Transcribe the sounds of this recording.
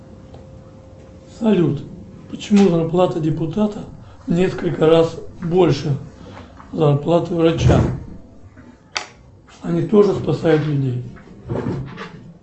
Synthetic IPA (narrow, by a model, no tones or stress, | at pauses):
sɐlʲut̪ | pə̥t͡ɕɪmuzɐrplˠat̪ədʲɪpʊt̪at̪ə | vnʲe̞skəlʲkəɾasbo̞lʲʂɨ | zɐrplˠat̪ɨvɾɐt͡ɕa | ɐnʲit̪o̞ʐɨspɐsajʊt̪lʲʊdʲej